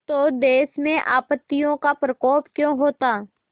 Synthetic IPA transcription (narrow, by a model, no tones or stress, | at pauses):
t̪od̪eːsmẽʔaːpət̪ːijõkapɾəkɔːpkjõːɦoːt̪aː